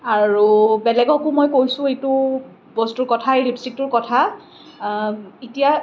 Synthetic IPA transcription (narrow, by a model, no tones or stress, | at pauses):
aɹubɛlɛɡɔkʊmojkojsʊ̃ejtʊ | bɔstʊɹkɔtʰaeɹipsik̚tʊɹkɔtʰa | itija